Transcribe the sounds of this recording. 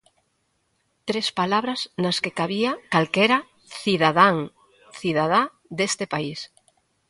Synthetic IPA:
t̪ɾespalaβɾɐznaskekaβiakalkɛɾa | θiðaðaŋ | θiðað̞a | d̪est̪epais

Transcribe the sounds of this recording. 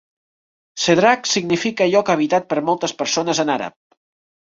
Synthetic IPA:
seðɾaksiɡnifikəʎɔkəβ̞it̪at̪̚pəɾmɔlˠt̪əspəɾsonəzənaɾə̰p̚

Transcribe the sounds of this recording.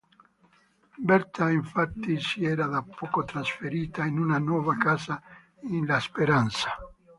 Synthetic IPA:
bɛrt̪aiɱfat̪ːisiɛːɾad̪apʰːɔːkot̪ɾasfeɾiːt̪ainunanwɔːvakaːza | inlaspeɾant̪sḁ

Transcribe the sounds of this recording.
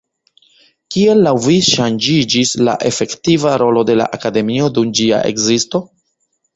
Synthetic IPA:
kie̞lːawviʃand͡ʒid͡ʒisla̰ʔe̞fe̞ktivaɾo̞lo̞de̞la̰ʔakade̞mio̞dumd͡ʒia̰ʔe̞̰kzisto̞

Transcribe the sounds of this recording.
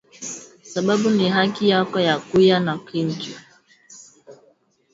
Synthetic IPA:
sababunɪɦakɪjakɔjakujanakin̩d͡ʒu

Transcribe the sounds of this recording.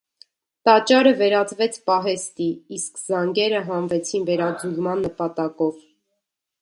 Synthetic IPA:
t̪ɑt͡ʃɑɾəvɛɾɑt͡svɛt͡sʰpɑɦɛst̪iːskzɑŋɡɛɾəɦɑnvɛt͡sʰinvɛɾɑd͡zulmɑnːəpɑt̪ɑkɔv

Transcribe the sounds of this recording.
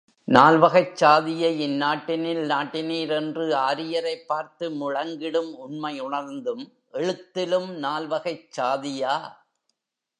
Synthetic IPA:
naːlʋɐɣɐɪt͡ʃːaːðɪjɐɪnːaːʈːɪnɪlnaːʈːɪniːɾɛndrɯaːɾɪjɐɾɐɪpːaːɾt̪ɯmʊɻɐŋɡɪɽɯmʊnmɐɪʊɳɐɾnd̪ɯm | ʔɛɻɯt̪ːɪlɯmnaːlʋɐɣɐɪt͡ʃːaːðɪjaː

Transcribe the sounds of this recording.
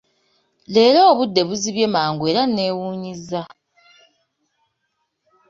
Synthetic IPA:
le̞ːloːβudːe̞βuziβje̞maːŋɡwe̞ːɾanːe̞ːwuːɲiza

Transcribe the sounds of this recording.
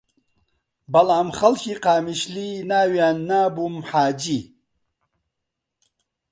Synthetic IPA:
bɐlaːmχɐlkiqaːmiʃlinaːwjaːnːaːbumħaːd͡ʑi

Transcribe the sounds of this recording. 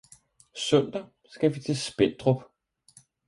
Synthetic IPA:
sœn̰d̥ɐ | sɡ̥æʋit͡sʰe̝sb̥en̰d̥ʁɔb̥

